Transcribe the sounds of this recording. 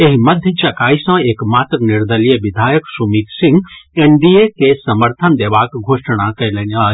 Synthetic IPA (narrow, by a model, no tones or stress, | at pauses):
eɦiməd̪ʱjət͡ʃɐkaːisə̃ekmaːt̪ɾəniɾd̪əlijəʋid̪ʱaːjəksumit̪sĩŋɡeɳɖiekesəməɾt̪ʰənd̪eʋaːkɡʱoːʂəɽ̃akəjlena